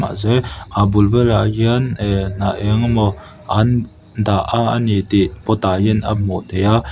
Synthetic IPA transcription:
a̰ʔzɛʔabulvɛlaʔɡiənɛnaʔɛŋmɔ | an | daʔaanit̪iʔpɔt̪ajina̰mɔt̪ɛja

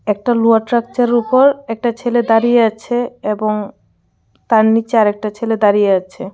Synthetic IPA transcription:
ɛk̚ʈaluaɾʈɾak̚t͡ɕaɾupoɾɛk̚ʈat͡ɕʰeled̪aɾijeat͡ɕʰeeboŋ | t̪aɾnit͡ɕeaɾek̚ʈat͡ɕʰeled̪aɾijeat͡ɕʰe

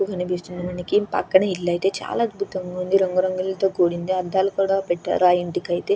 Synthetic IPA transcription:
uɡɐnɐbisʈind̪ɐnɐnikːimpɐ̰kːɐɳeilːɐːjit̪et͡ʃa̰ːlaɐd̪bʱut̪ɐɐŋɡɐɐnd̪iɾɐŋɡuɾɐŋɡɐlilt̪ɐkoːɽind̪eɐd̪ːaːlɐkuːɽapeʈːa̰ːɾuajiɳʈ̪ikɐjt̪e

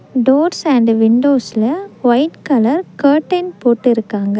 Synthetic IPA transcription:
ɖoːɾsɐɳɖʋɪɳɖoːsɪlɐʋɐɪʈkɐlɐɾkɐːʈːɐnpoːʈːɪɾɯkːaːŋɡɐ

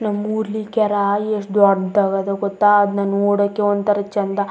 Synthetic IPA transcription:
nɐmuːɾlikɛɾaeʂʈd̪uɐɾd̪t̪aɡɐd̪eɡɔt̪ːaːd̪naːnːoːɽɐkːeɔnt̪ɐɾɐt͡ʃɐnd̪ɐ

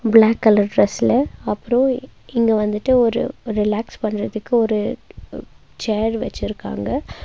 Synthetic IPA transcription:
bɭaːkːɐlɐɾɖɾɛsɪlɐɐpːɯɾõɪŋɡeʋɐnd̪ɯʈːɯɔɾɯ̰ɾɪlaːkspɐɳːɯɾɐðɯkːɯɔɾɯ | t͡ʃeːɾʋɛ̰t͡ʃːɪɾɯkːa̰ːŋɡɐ

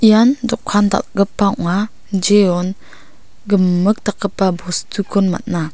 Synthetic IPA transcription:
ijandɔkkʰanda̰t̚ɡəpːaʔŋa | d͡ʒeɔn | ɡəmːək̚t̪akəpːabʱɔst̪ukɔnma̰t̪̚na

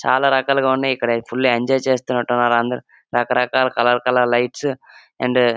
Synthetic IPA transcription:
t͡ʃa̰ːlaːɾɐkaːlɐɡaːunːaːjikːɐɽɐpʰulːeɐɲd͡ʒɔːjt͡ʃeːst̪unːɐʈːunːaːɾɐnd̪ɐɾu | ɾɐkɐɾɐkaːlɐkɐlɐlkɐlɐlɐjʈs | ɐ̰ɳɖ

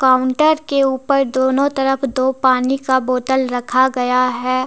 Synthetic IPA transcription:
kaːʊ̃ɳʈəɾkeuːpəɾd̪oːnõt̪ɐɾəfd̪oːpaːnikaboːt̪əlɾɐkʰaɡɐjaɦɛː

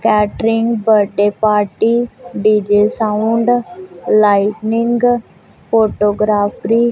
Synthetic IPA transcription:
kɛːʈɾɪŋɡbəɖeːpaːɾʈiːɖiːd͡ʒeːsaːʊɳɖlaːɪʈnɪŋɡ | pʰoːʈoːɡɾaːpʰɾiː

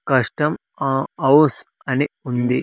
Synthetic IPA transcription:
kɐʂʈɐm | ɐws | ɐneund̪i

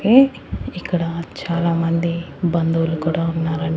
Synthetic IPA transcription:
eː | ikːɐɽɐt͡ʃaːlaːmɐnd̪ibɐnd̪uːlukuːɽaːunːaːɾɐɳ

